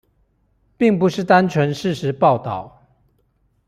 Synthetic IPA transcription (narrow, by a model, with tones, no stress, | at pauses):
pi˥˨˩ŋpu˨˦ʂɻ̩˥˩t̪a˦nt͡ʃʰwə˧˥nʂɻ̩˥˨ʂɻ̩˧˥pɑ˥˨ʊt̪ɑ˥˩ʊ